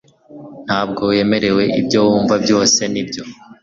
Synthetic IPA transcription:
n̥haːb̚ɡo̞je̞me̞ɾe̞we̞ʔibɟowuːɱvabjo̞ːse̞nibɟo̞

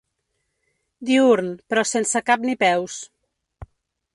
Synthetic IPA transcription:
d̪iuɾnpɾɔsensəkapnipɛws

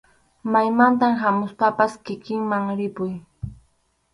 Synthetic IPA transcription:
majmant̪̬amɦamʊspapaskɪkɪŋmaŋɾɪpʊj

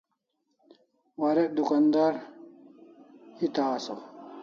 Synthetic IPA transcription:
wɐɾeʔd̪ukɐnd̪ɐɾ | it̪aːsɐ̰

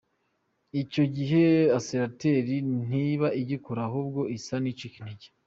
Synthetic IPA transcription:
ico̞ɟiɦe̞asenate̞ɾin̥iβaʔiɟikoɾaɦub̚ɡo̞ʔisanit͡ʃikin̥iɟe̥

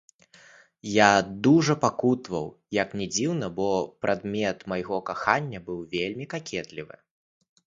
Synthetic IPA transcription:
jad̪uʐɐpakut̪vɐw | jɐknʲɛd͡zʲiwnɐbɔpɾʔad̪mʲɛt̪majɣɔkaxanʲːɐbɨwvʲelʲmʲikakʲʰɛt̪lʲivɨ̰

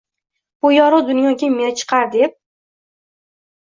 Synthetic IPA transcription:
b̥ʊjɒɾʊwd̪ʊnjɒkʲemeat͡ʃʰɨ̥qʰɑɾd̪ep̚

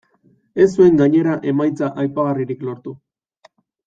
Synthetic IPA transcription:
e̞sue̞ŋɡaɲe̞ɾaʔe̞majt͡saʔajpaɣariɾiklo̞ɾt̪u

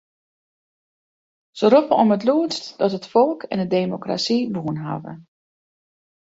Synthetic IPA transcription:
səɾɔpəɔmətluəstdɔtətfɔlˠkʰɛ̰ndədeːmokra̰siʋuənɦa̰və̰

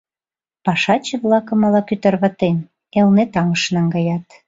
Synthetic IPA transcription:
pɑʃɑt͡ɕə̆βlɑkɤ̆mɑlɑkyt̪ərβɑt̪en | elnet̪ɑŋəʃnɑŋɡɑjɑt̪

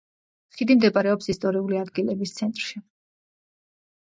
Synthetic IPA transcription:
χid̪imd̪ɛpʼaɾɛɔpsist̪ʼɔɾiuliad̪ɡilɛbist̪sʰɛnt̪ʼɾʃi

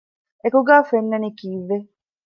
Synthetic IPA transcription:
ekuɡaːfenːɐnikiːʋːe

